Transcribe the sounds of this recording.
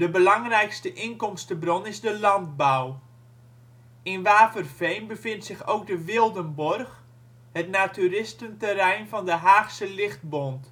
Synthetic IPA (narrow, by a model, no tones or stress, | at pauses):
dəbəlɑŋrɛjkstəʔɪnkɔmstəbronɪzdəlɑnt̚baw | ɪnʋaːfərfejnbəfɪntsɪxoːk̚dəʋɪlˠdənbɔrx | hətnatyrɪstəntərɛjnfɔndəɦaːxsəlɪxt̚bont